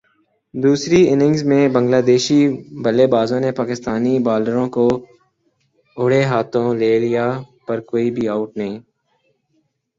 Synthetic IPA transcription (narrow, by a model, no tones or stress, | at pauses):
d̪uːsɾiɪnɪ̃ŋɡzmẽbə̃ŋɡlaːd̪eːʃibəlebaːzõnepaːkɪst̪aːnibaːləɾõko | ʊɽeɦaːt̪ʰõleːlijaːpɐɾkoːibʱiaːʊʈ̚nɐɦĩː